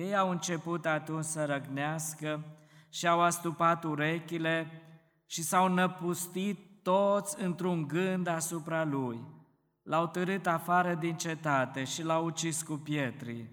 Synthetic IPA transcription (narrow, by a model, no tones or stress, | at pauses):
je̞jawɨnt͡ʃe̞put̪at̪unt͡ʃsəɾəɡneaskə | ʃiawast̪upat̪uɾe̞kʲile | ʃisawnəpust̪it̪ːot̪sʲɨnt̪ɾuŋɡɨnd̪asupɾaluj | lawt̪əɾɨt̪afaɾəd̪int͡ʃe̞t̪at̪e̞ʃilawut͡ʃiskupje̞t̪ɾḭ